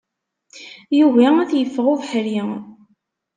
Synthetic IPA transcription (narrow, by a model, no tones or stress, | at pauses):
juvææθjəfːʁʊðħɾi